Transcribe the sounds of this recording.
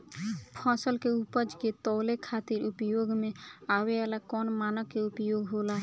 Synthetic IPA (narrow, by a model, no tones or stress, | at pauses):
pʰãːsəlkeupəd͡ʒket̪ɔːlekʰaːt̪iɾupjoɡmẽaweɛlakɔnmaːnəkːeupjoɡɦolaɦɛ